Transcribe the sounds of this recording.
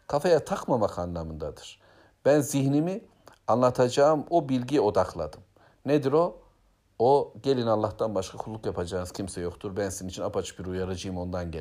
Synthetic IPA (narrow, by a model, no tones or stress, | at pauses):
kʰafejat̪ʰakmamakʰanlˠamɯnd̪ad̪ɯ̥ɾ̥ | b̥ænzihnimi | anlˠat̪ʰad͡ʒaːɯmobilʲɟijo̞d̪aklˠa̰d̪ɯm | ned̪iɾo̞ | oɟe̞lʲinalˠːaht̪ʰanbaʃkʰakʰulˠːukjapʰad͡ʒaːnɯz̥cʰimsɛjo̞kt̪ʰuɾbænsiniit͡ʃʰinapʰat͡ʃʰɯ̥biɾujaɾɯd͡ʒɯjɯmo̞nd̪anɟɛ